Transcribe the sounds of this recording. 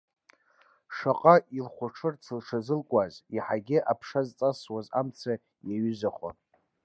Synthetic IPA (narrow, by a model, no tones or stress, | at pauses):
ʂaqʼailχʷaʈ͡ʂʰɨrt͡sʰɨlʂʰazɨlkʷʼaziħaɡʲɪʔapʰʂazt͡sʼaswazamt͡sʰa | jaɥʏzaχʷa̰